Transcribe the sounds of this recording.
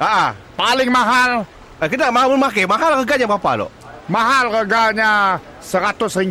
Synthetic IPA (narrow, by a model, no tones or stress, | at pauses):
aʔapalɪŋmaɦal | kənaʔmaɦalmʊnmakemaɦalɣəɡaɲabapa̰lo̰ʔ | maɦalɣəɡaɲa | səɾat̪ʊsriɲ